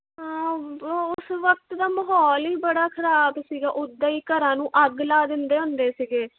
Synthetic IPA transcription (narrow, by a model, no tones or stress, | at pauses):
ʊsʋək̚t̪d̪aːməɦɔːliːbəɽaːkʰəɾaːbsiːɡaːʔʊd̪aːiːkəɾãːnũːʔəɡlaːd̪ɪnd̪eːɦʊ̃nd̪eːsiːɡeː